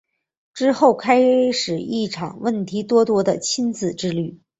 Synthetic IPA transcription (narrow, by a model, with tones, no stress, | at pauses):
ʈ͡ʂɻ̩˥xo˥˩ʊkʰa˥ɪʂɻ̩˨˩i˥˩ʈ͡ʂʰɑ̰˨˩ŋwə˥˩nt̪ʰi˧˥t̪wɔ˥t̪wɔ˥d̪ə˨t͡ɕʰi˥nt͡sɹ̩˨˩ʈ͡ʂɻ̩˥ly˥˩